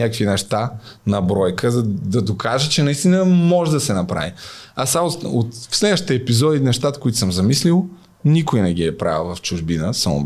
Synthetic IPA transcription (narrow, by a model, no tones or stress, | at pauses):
akəkvinɛʃt̪a | nɐbɾɔjkəzd̪ɐd̪okʰaʒət͡ʃɛnɐist̪inəmɔʒɛd̪ɐsɛnɐpɾa̰viasamoot̪fslɛd̪əʃt̪ɛːpizɔd̪inɛʃt̪at̪ə̥koʊit̪ʊsəmzɐmislilˠ | nikʊjnɛɡiɛpɾa̰vlvɐft͡ʃʊʒbinəsamo̰